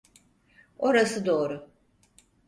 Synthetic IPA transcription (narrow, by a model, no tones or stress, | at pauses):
o̞ɾasɯd̪o̞ːɾʊ